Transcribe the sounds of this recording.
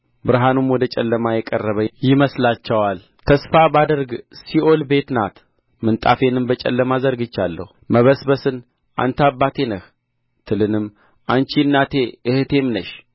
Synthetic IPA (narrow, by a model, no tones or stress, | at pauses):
bɨɾɦanumwɔd̪ət͡ʃʼɛlːəmajɛkʼərːəβəjɪməslat͡ʃːɛwal | t̪ʰəsfabad̪əɾɡsiʔo̞lbe̞t̪nat̪ | mɨnt̪ʼa̰fe̞nɨmbət͡ʃʼɛ̰lːəmazəɾɡɨt͡ʃːalːə̰huməβəsbəsɨn | ʔa̰nt̪ʰabːat̪ʰe̞nəh | t̪ʰɨlɨnɨm | ʔant͡ʃinːat̪ʰe̞ʔɨht̪ʰe̞mnəʃ